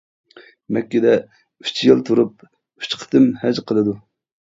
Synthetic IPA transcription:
mɛkʲːɪd̪ɛ | y̥t͡ʃʰjɨlˠt̪ʰuɾup̚ | y̥t͡ʃqʰə̥t̪ʰɨmhɛd͡ʒqʰəlˠɨd̪u

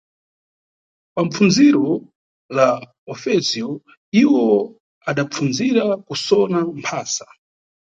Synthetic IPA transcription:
pamp͡funziɾɔ | la | ɔfɛziɔ | iwɔ | aɗap͡funziɾakusɔnampʰaːsḁ

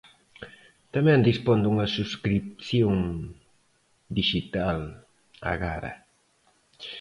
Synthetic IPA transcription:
t̪amɛ̃nd̪ispond̪uŋɐsuskɾip̚θjoŋ | d̪iʃit̪al | a̰ɣaɾɐ̰

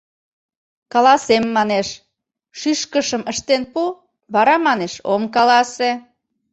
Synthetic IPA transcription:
kɑlɑsemːɑneʃ | ʃyʃkəʃəməʃt̪enpu | βɑɾɑmɑneʃomkɑlɑse

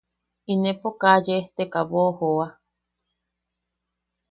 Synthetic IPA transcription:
inepokajeht̪ekaβohoa

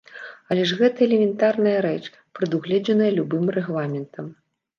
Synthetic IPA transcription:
ɐlʲɛʐɣɛt̪ɐɛlʲɛmʲɛnt̪arnɐjɐɾɛt͡ʂ | pɾɨd̪uɣlʲɛd͡zɐnɐjɐlʲubɨmrɛɣlˠamʲɛnt̪ʰɐm

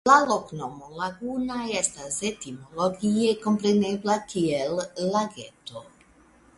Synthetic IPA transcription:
laloknomolaɡunajɛst̪azet̪imoloɡijekompɾeneblakʰiɛlːaɡɛt̪o

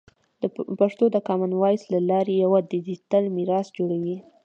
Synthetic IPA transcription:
d̪̥əpaʂt̪od̪əkɑmanwɑjslalɑɾejawad̪id̪it̪əlmiɾɑsd͡ʒoɽawi

